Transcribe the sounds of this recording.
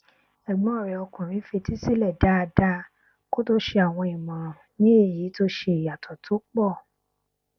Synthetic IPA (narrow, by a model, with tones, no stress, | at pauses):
ɛ˨ɡ͡bɔ̃˨˦ɔ˦˨ɾɛ˨ɔ˧kũ˨ɾ̃ĩ˨˦fe˧ti˦si˦˨lɛ˦˨da˨˦˧da˧˦ | ko˦to˦ʃe˧a˨w̃ɔ̃˧i˨mã˨ | nĩ˦e˦˨ji˨˦to˦ʃe˧i˨ja˨tʰɔ˨tʰo˨˦k͡pɔ˦˨